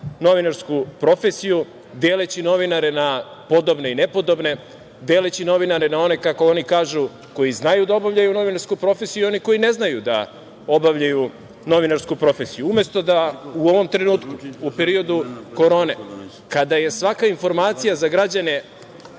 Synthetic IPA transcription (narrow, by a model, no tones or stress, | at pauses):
no̞ʋinaɾskupɾo̞fesiju | d̪e̞ːlet͡ɕino̞ʋinaɾe̞na | po̞d̪o̞bne̞ine̞po̞d̪o̞bne̞ | d̪eːlet͡ɕino̞ʋinaɾenao̞ne̞kako̞onikaːʒu | ko̞jiznajud̪ao̞bavʎajuno̞ʋinaɾskupɾo̞fesijiuo̞niko̞jine̞znajud̪a̰ | o̞baʋʎaju | no̞ʋinaɾskupɾo̞fesijuume̞st̪o̞d̪auo̞ʋo̞mt̪ɾenuːt̪kuupeɾio̞d̪uko̞ɾo̞ːne | kad̪aje̞sʋakainfo̞ɾmaːt̪sijazaɡɾad͡ʑane̞